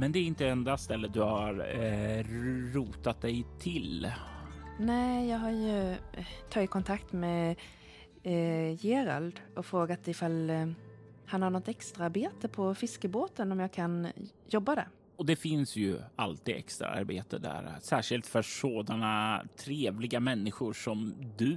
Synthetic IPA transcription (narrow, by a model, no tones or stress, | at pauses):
mɛnd̪ɛæɾɪnt̪əɛnd̪ast̪ɛlːəd̪ɵhaɾ | ɾuːt̪at̪̚d̪ɛjt̪ʰɪl | nɛːjɑːɡɦaɾjɵt̪ʰɑːɡɪkʰɔnt̪ʰakt̪mɛ | jeːɾa̰ld̪ɔfɾoːɡat̪ɪfalː | hanhaɳɔt̪ːɛkst̪ɾaaɾbeːt̪əpʰɔfɪskəboːt̪ənɔmjɑːɡkʰanjɔbːad̪æ̰ɾ | ɔd̪ɛfɪnsjɵ̰alt̪iːd̪ɛ̰kst̪ɾa̰a̰ɾbḛːt̪ə̰d̪æ̰ɾsæːʂɪlt̪fœʂoːd̪anat̪ʰɾeːvlɪɡamɛnːɪɧʊɾʂɔmd̪ɵ